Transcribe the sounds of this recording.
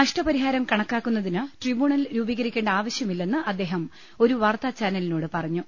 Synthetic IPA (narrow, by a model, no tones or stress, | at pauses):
nɐʂʈɐpɐɾiɦaːɾɐmkɐɳɐkːaːkːunːɐðinɨʈribuːɳɐlɾuːbiɣɐɾikʲːe̞ːɳɖɐaːʋɐɕjɐmilːe̞nːɨʔɐd̪ːe̞ːɦɐm | o̞ɾuʋaːrt̪aːt͡ɕaːnɐlinoːɽɨpɐrɐɲːu